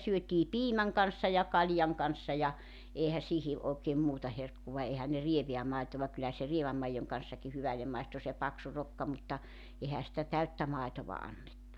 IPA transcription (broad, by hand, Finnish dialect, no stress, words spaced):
syøtiː piːmæŋ kɑnsːɑ jɑ kɑlʲjɑŋ kɑnsːɑ jɑ eːhæ sihi oːkeːm muːtɑ herkːuʋɑ ehæn ne rieʋeæ mɑitoʋɑ kylːæ se rieʋæm mɑijoŋ kɑn̞sːɑki hyʋælːem mɑistu se pɑksu rokːɑ mutːɑ ehæ sitæ tæytːæ mɑitoʋɑ ɑnːetːu